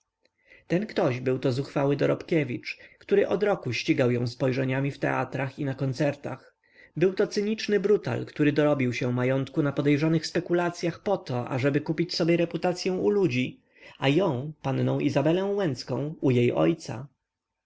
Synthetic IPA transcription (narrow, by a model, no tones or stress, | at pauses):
t̪ɛnkt̪ɔʑbɘwt̪ɔzuxfawɘd̪ɔɾɔpkʲevʲit͡ʂkt̪uɾɘʔɔd̪ɾɔkuɕt͡ɕiɡawjɔ̃w̃spɔjʐɛɲamʲift̪ɛ̰a̰t̪ɾaxinakɔnt̪sɛɾt̪a̰x | bɘwt̪ɔt̪sɘɲit͡ʂnɘbɾut̪a̰lkt̪uɾɘd̪ɔɾɔbʲiwɕɛ̃majɔnt̪kunapɔd̪ɛjʐɔnɘxspɛkulat̪sʲjaxpɔt̪ɔʔa̰ʐɛbɘkupʲit͡ɕsɔbʲjɛɾɛput̪at̪sʲjɛ̃w̃ulud͡ʑi | ajɔ̃w̃panːɔ̃w̃ʔizabɛlɛ̃w̃wɛnt̪skɔ̃w̃ujejʔɔ̰jt̪sa̰